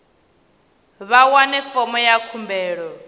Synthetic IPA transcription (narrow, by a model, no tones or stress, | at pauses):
βawanɛfɔmɔjakʰumbɛːɺɔ